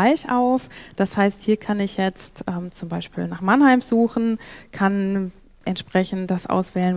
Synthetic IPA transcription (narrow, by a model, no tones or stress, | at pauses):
aɪçʔaʊfd̥ashaɪsthiːɐkʰanɪçjɛt͡stʔɛmt͡sʊmbaɪʃpḭːlnaːχmanhaɪmz̥uːxn̩kʰan | ʔɛntʃpʁ̥ɛçn̩td̥asʔa̰ʊsv̥ɛːlən